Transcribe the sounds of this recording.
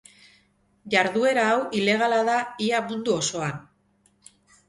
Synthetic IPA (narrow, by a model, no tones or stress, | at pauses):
ʝaɾðue̞ɾaːwʔile̞ɣ̞alaðaiamund̪uo̞so̞an